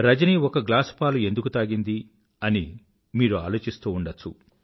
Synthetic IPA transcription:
ɾɐd͡ʒɐniɔkɐɡlaːspaːlue̞nd̪ukut̪aːɡind̪i | ɐni | miːɾua̰ːlo̞ːt͡ʃist̪uːuɳɖɐt͡ʃːṵ

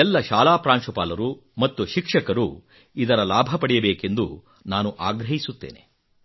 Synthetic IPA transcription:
ɛlːɐʃaːlaːpɾaːnʂupaːlɐɾu | mɐt̪ːuʃikʂɐkɐɾu | id̪ɐɾɐlaːbʱɐpɐɽɛjɐbeːke̞nd̪u | naːnuʔaːɡɾɐɦisut̪ːe̞̰ːne

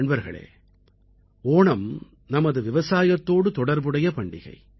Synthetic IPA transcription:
ɳbɐɾɣɐ̰ɭḛː | oːɳɐm | nɐmɐðɯʋɪʋɐsaːjɐt̪ːoːɽɯt̪ɔɽɐɾbɯɽɐjɐpɐɳɖɪ̰ɣɐ̰ɪ

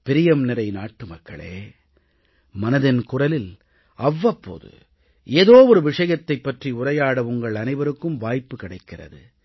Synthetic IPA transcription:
pɪɾɪjɐmnɪɾɐɪnaːʈːɯmɐkːɐ̰ɭḛː | mɐnɐðɪnkʊrɐlɪl | ɐʋːɐpːo̰ːðɯ̰ | ʔeːðoːʋɔɾɯʋɪʂɐjɐt̪ːɐɪpːɐʈriʊrɐjaːɽɐʊŋɡɐɭɐnɐɪʋɐɾɯkːɯmʋaːjpːɯkɪɽɐɪkːɪrɐ̰ðɯ

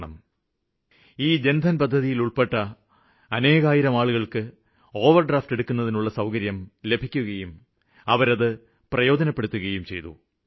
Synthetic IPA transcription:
ɳɐ̰m | iːd͡ʑe̞nd̪ʱɐnpɐd̪ʱːɐðijiluɭpe̞ʈːɐ | ɐne̞ːɣaːjiɾɐmaːɭuɣɐɭkɨ | o̞ːʋɐrɖraːfte̞ɽukːun̪ːɐðinuɭːɐsɐwkɐɾjɐmle̞bʱikʲːuɣɐjum | ɐʋɐɾɐðɨ | prɐjo̞ːd͡ʑɐnɐpːe̞ɽut̪ːuɣɐjumt͡ɕe̞jt̪ṵ

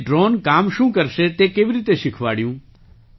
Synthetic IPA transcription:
ɖɾonkamʃũːkəɾʃet̪ekeːʋiɾit̪eʃɪkʰʋaɽjũ

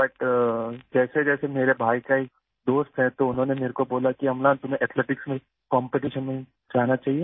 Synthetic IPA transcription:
bɐʈ | d͡ʒɛːsed͡ʒɛːsemeːɾebʱaːikaek | d̪oːst̪ɦɛ̃t̪oʊnɦõːnemeːɾekoboːlakiɦɐmlãːnt̪ʊmẽʔɛt̪ʰleːʈɪksmẽ | kɔ̃ːmpeʈ̬iːʃənmẽĩ | d͡ʒaːɦnat͡ʃaːɦieː

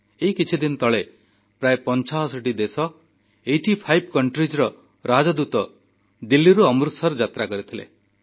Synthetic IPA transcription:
eikit͡ʃʰid̪inɔt̪ɔɭe | pɾaepɔnt͡ʃaɦɔsɔʈid̪esɔ | ejʈipʰajbʱkɔɳʈɾid͡ʒɾɔ | ɾad͡ʒɔd̪ut̪ɔ | d̪ilːiɾuɔmɾut̪sɔɾɔd͡ʒat̪ɾakɔɾit̪ʰilḛ

